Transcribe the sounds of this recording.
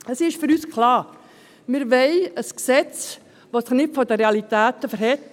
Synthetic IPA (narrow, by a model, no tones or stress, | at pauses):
əsɪʃfyɾyːskʰlɑːɾ | mɪɾʋɛɪəsksɛt͡s | ʋosɪχnɪtfɔdəɾeɑlitæːtəfəɾɦɛt